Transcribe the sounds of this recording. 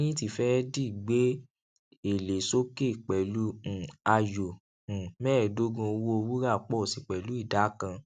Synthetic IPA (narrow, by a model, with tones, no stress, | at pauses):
ĩ˦ti˧˨fɛ˦di˦˨ɡ͡be˨˦ | e˨le˨so˦ke˦˨k͡pɛ˨lũ˦˨a˧jõ˨ | mɛː˦˨do˦ɡũ˧o˧wo˦o˧wu˦ɾa˦˨k͡pɔ˦˨si˨k͡pɛ˨lu˨˦i˦˨da˨˦kã˧